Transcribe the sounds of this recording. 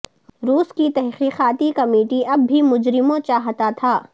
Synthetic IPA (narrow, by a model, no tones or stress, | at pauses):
ɾuːskit̪ɛɦqiːqaːt̪ikɐmeːʈiʔɐbːimʊd͡ʒɾɪmõt͡ʃaːɦt̪at̪ʰaː